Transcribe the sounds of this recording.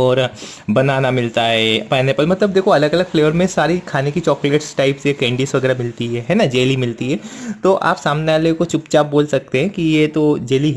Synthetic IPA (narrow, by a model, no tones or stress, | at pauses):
ɔːɾ | bɐnaːnamɪlt̪aɦɛːpɛːnepɐlmɐt̪ləb̚d̪eːkʰoɐləɡɐləɡfleːʋəɾmẽsaːɾikʰaːnekit͡ʃɔːkleːʈsʈaɪpsekɛ̃ːɳɖiːsʋɐɡɛːɾamɪlt̪iɦɛɦɛːnad͡ʒeːlimɪlt̪iɦɛːt̪oʔa̰ːpsaːmneaːlekot͡ʃʊpt͡ʃaːp̚boːlsɐk̚t̪eɦɛ̃kijet̪od͡ʒeːliɦ